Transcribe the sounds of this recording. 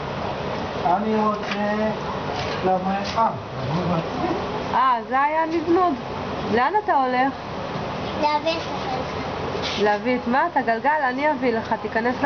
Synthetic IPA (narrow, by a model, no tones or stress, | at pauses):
aniʁot͡se | lavefa | amuvat͡smiʔazeajanivnud | leanat̪ao̞leχ | leavitaχelχa | leavit̪mat̪aɡalɡalaniavileχat̪ikane̞s